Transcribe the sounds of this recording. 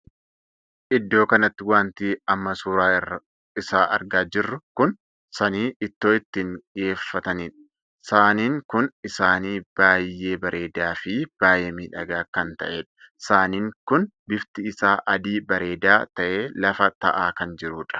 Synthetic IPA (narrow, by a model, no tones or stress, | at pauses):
ʔɪd̪ːo̞ːkɐnɐt̪ːɪwaːnt̪iːɐmːɐsuːɾaːrɐ | ɪsaːʔɐ̰ɾɡaːd͡ʒɪrːʊkʊn | sɐniːɪt̪ːo̞ːɪt̪ːiːŋkɪjeːfːɐt̪ɐniːᶑɐ̥ | saːniːŋkʊnɪsaːniːb̥aːjːe̞ːbɐɾʔe̞ːd̪aːfɪb̥aːjeːmiːᶑɐɡaːkɐnt̪ɐ̰ʔeːᶑɐ̥ | saːniːŋkʊnbɪft̪ɪɪsaːʔɐd̪iːbɐɾe̞ːd̪aːt̪ɐʔe̞ːlɐfɐt̪ɐʔaːkɐnd͡ʒɪɾuːᶑɐ̥